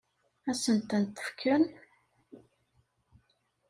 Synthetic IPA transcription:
æsənt̪ænt̪ːə̥fkʰːən

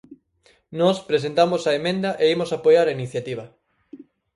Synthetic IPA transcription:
nɔspɾes̬ent̪amosaemẽnd̪ɐʔeimosapojaɾainiθjat̪iβ̞ɐ

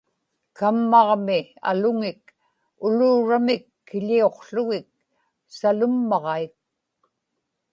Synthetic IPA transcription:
kamːɑʁmɪa̰lʊŋɪk | ʊluːɻamɪkːɪʎio̞qɬʊɣɪk̚ | salʊmːɑʁɑik̚

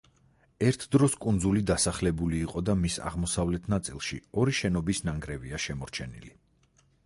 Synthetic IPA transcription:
ɛɾt̪ʰd̪ɾɔskʼund̪zulid̪asaχlɛbuliːqʼɔd̪amisa̰ʁmɔsavlɛt̪ʰnat̪sʼilˠʃḭɔɾiʃɛnɔbisnaŋɡɾɛviaʃɛmɔɾt͡ʃʰɛnḭli

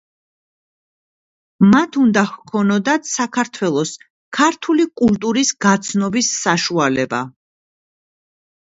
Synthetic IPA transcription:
mat̪ʰund̪ahkʰɔnɔd̪at̪ʰsakʰaɾt̪ʰwɛlˠɔs | kʰaɾt̪ʰulikʼult̪ʼuɾisɡat̪sʰnɔbisːaʃualɛba̰

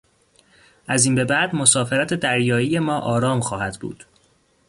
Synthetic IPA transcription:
ʔæziːnbe̞bæʔd̪mo̞sɒːfeɾæt̪ʰe̞d̪æɾjɒːije̞mɒːʔɒːɾɒːmxɒːhæd̪̥bṵːd̪̥

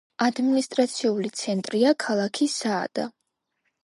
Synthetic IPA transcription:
ad̪minist̪ʼɾat̪sʰiulit̪sʰɛnt̪ʼɾiakʰalˠakʰisa̰ːd̪̥a̰

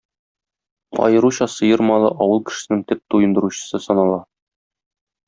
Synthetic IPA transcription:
ɒ̰jɤ̆ɾuɕɑsɤ̆jɤɾmɑlˠɤ̰ʔɒwɤlˠkɘ̆ʃɘ̥̆sɘ̆nɘŋt̪ɘp̚t̪ujɤ̆nd̪ɤ̆ɾuɕɤ̥̆sɤsɒnɑlˠɑ

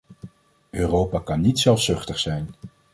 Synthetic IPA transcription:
øːrowpakɑnːitsɛlˠfsɵχtəχsɛjn

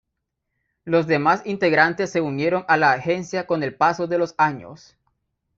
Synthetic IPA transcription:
lo̞zðe̞masint̪e̞ɣɾant̪e̞sːe̞unje̞ɾo̞ŋalaːxe̞nsjako̞ne̞lpaso̞ðe̞lo̞saɲo̞̰s

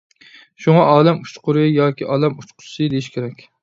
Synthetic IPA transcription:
ʃuŋɑʔɑːlɛmut͡ʃqʊɾɨjɑːkʲiʔɑːlˠɛmut͡ʃqʰʊ̥sɨd̪ejiʃkʲʰeɾɛkʲ

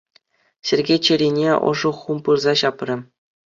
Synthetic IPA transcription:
ɕʲĕrʲɡʲet͡ɕɘ̆ɾʲinʲeɤ̰̆ʐɤ̆χumpɯrzɑɕɑprʲɘ̆

